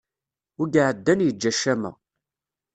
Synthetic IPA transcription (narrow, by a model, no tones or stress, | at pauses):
ʊɡaʕəd̪ːænjəd͡ʒːæʃæmæ̰